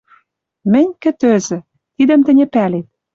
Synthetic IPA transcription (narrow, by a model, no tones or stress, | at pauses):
mɘ̆nʲkɘ̆t̪øzɘ̆ | t̪id̪ə̆mt̪ɘ̆nʲĕpælet̪̚